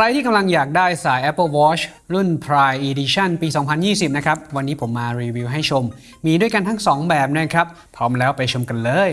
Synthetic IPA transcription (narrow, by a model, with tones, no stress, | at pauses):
kkʰɾa˧jt̪ʰiː˥˩ka˧mla˧ŋjaː˨˩k̚daː˥˩jsaː˨˩˦jʔɛ˦˥pːə˥˩wɔː˦˥t͡ɕ | ɾu˥˩npʰɾaː˧jʔiː˧di˧t͡ɕʰa˥˩npiː˧sɔː˩˦ŋpʰa˧njiː˥˩si˨˩p̚na˦˥kʰɾa˦˥p̚wa˧nːiː˦˥pʰo˩˦mːaː˧ɾiː˧wiː˧wɦa˥˩jt͡ɕʰo˧mː | iː˧du˥˩əjka˧nt̪ʰa˦˥ŋsɔː˩˦ŋbɛː˨˩p̚na˥˩kʰɾa˦˥p̚ʰːɔː˦˥mlɛː˦˥wpa˧jt͡ɕʰo˧mka˧nlɤː˧j